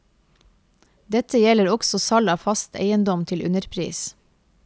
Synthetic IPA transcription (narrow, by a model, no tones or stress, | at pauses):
d̪ɛt̪əjɛləɾɔksɔsɑlɑːfɑst̪ʰḛɪənd̪ɔmt̪ʰɪlʔʉ̰nəɾpʰɾḭːs